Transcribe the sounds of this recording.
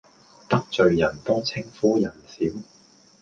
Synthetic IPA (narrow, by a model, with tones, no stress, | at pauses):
t̪ɐ˥k̚t͡sɵ˨˧ɥjɐ˨˩nt̪ɔː˥t͡sʰɪ˥ŋfuː˨˥jɐ˨˩nsiː˨˥w